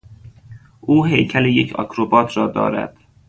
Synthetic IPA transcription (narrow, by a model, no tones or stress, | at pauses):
ʔuːɦejcʰælejecʰɒ̰kʰɾobɒːt̪ʰɾɒːd̪ɒ̰ːɾæ̰d̪̥